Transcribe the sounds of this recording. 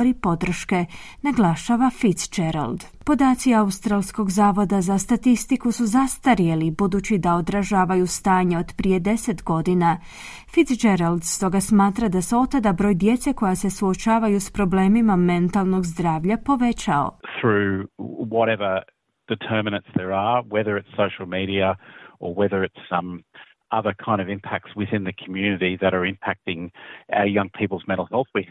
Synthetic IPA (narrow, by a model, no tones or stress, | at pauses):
ɾipo̞d̪ɾr̩ʃke̞ | naɡlˠaʃaʋafit̪sd͡ʒeɾa̰ld̪ | po̞d̪aːt̪siaust̪ɾalˠsko̞ɡzaːʋo̞d̪azast̪at̪ist̪ikusuzast̪aɾjelibud̪uːt͡ɕid̪ao̞d̪ɾaʒaːʋajust̪aːɲeo̞d̪pɾije̞d̪e̞se̞t̪ɡo̞d̪ina | fit̪sd͡ʒeɾald̪st̪o̞ɡasmaːt̪ɾad̪aseo̞t̪ːad̪abɾo̞ːjd̪je̞t̪se̞ko̞jase̞suo̞t͡ʃaːʋajuspɾo̞bleːmimame̞nt̪alˠno̞ɡzd̪ɾaːʋʎapo̞ʋe̞t͡ʃao̰θɹʉwɔɾɛvə˞ | d̥ɨtʰɜ˞mɨnɨ̃ntsðə˞əwɛðə˞ɨtsoʊʃl̩ˠmiɾiəə˞wɛðə˞ɨtsʌ̃m | ʔʌðə˞kʰãɪ̃ndʌvɪ̃mpʰæk̚tswɨðɪ̃nðɨkʰmjʉnɨɾiðɨɾə˞ɪ̃mpʰæk̚tɪ̃ŋa̰ə˞jʌ̃ŋpʰipl̩ˠzmɛ̃ɾ̃l̩ˠhɛlˠθwi